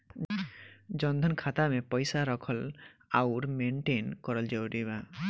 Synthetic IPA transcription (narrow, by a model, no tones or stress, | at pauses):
d͡ʒɔnd̪ʱɔnkʰat̪amepɔjsaɾɔkʰɔlawɾmeɳʈenkɔɾɔld͡ʒewɾiba